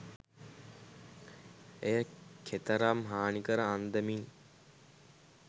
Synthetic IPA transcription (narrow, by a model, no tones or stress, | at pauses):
ejəkʰet̪əɾamɦaːnikəɾəand̪əmin